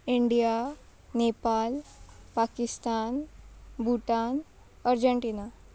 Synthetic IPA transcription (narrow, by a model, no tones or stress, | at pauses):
iɳɖija | nepalpakist̪anbʱuʈan | əɾd͡ʑəɳʈiːna